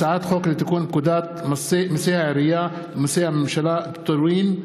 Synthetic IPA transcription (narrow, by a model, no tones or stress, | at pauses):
saʕaːt̪xoːklit̪akuːnb̚kʊd̪aːt̪̚mɑsimasiːʕɾɪja | mɪsiːmʃalaːʔbt̪ˤːɑɾwiːn